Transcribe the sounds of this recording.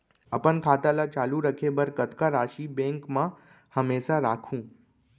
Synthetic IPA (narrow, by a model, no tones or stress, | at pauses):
əpənkʰaːt̪alat͡ʃaːluɾəkʰebəɾkət̪kaɾaːʃibẽŋkmã | həmeːʃaɾaːkʰũː